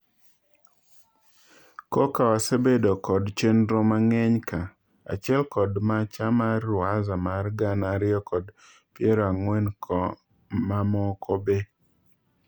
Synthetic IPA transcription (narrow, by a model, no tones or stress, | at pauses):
kɔkawasebedokɔdt͡ʃendɾomaŋɛɲka | a̰t͡ʃɪɛlkɔdmat͡ʃamarʊazamarɡanaɾɪɔkɔd | pjeɾɔaŋwɛnkʰɔ | mamɔkʰɔbe